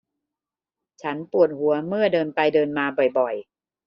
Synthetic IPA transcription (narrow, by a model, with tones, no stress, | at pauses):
t͡ɕʰa˦˥npu˨˩ət̪̚hu˩˦ɐmɯ˥˩ɐdɤː˧npa˧jdɤː˧nmaː˧bɔ˨˩jbɔ˨˩j